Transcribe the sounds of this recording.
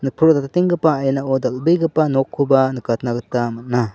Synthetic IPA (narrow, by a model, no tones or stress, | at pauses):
nɯpʰuɾotatatiŋɡɯpaːjnaodɐlbɯjɡɯpːanɔkʰːubanɯkatʰnaɡɯtːamat̚na